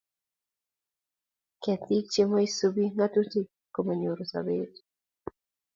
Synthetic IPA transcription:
kɛt̪ik̚t͡ʃemoisubiŋatuti | komaɲoɾusa̰bet

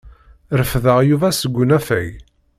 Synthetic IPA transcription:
ɾəfðəʁjuvæsəɡʷːʊnæfæj

